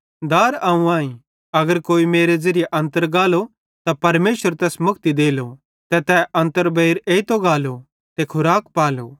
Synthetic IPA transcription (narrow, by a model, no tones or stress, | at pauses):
d̪aːɾaːũãːĩ | ɐɡəɾkoːimeːɾezɐɾijeʔɐ̃nt̪əɾɡaːlo | t̪apɐɾmeːʃəɾt̪ɛːsmʊk̚t̪id̪eːlo | t̪ɛt̪ɛʔɐ̃nt̪əɾbɐiɾeːit̪oɡaːlo | t̪ekʰʊɾaːkpaːlo̰